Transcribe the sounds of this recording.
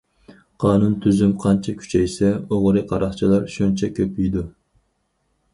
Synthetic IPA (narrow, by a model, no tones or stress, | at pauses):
qʰɑːnunt̪ʰyzymqʰɑnt͡ʃʰɛkʲʰy̥t͡ʃʰɛjsɛoʁɾɨqʰɑɾɑχt͡ʃʰilˠɑɾʃunt͡ʃʰɛkʲʰøpyjd̪u